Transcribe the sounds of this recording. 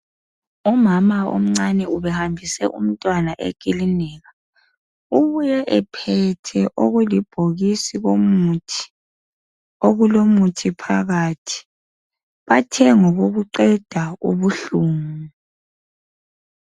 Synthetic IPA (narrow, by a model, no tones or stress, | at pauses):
umamao̰m̩ŋ͡ǀanɛuβɛhambʱisɛ̰ʔṵm̩tʼwanaʔḛɡ̥ʱʼilinɛːɣa | uβujɛʔɛpʰɛtʰɛʔoɣulib̥ʱoɣisiɣomutʰi̥ | oɣulomutʰipʰaɣaːtʰi̥ | βatʰɛŋɔɣoɣuǃɛd̥ʱauβuɬuːŋu